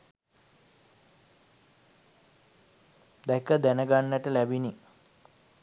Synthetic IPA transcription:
d̪ækəd̪ænəɡanːəʈəlæbini

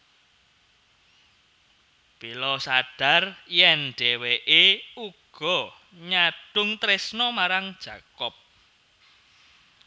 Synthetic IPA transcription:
b̥ilɔsaɖ̥a̤rjɛnɖ̥eweʔeuɡ̥ɔ̤ | ɲaɖ̥ʊŋt̪ɾesnɔmaɾaŋd̥ʒ̥ä̤kɔp̚

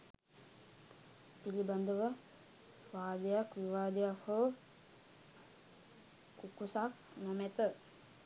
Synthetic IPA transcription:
piliband̪ʱəʋə | ʋaːd̪əjakʋiʋaːd̪əjakho | kukusak̚ | namɛt̪ə

